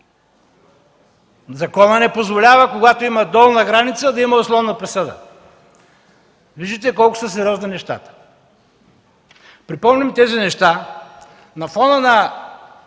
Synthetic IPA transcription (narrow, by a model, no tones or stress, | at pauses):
zɐkɔnənɛpozvolʲavɐkoɡat̪oimɐd̪ɔlˠnɐɡɾanit̪səd̪ɐimɐʊslˠɔvnɐpɾɛsɤd̪ə̰ | viʒd̪it̪ɛkɔlˠkʊ̥səs̬ɛɾʲɔzninɛʃt̪a̰t̪ə̥ | pɾipɔmnʲimt̪ɛzinɛʃt̪a | nɐfɔnənɐ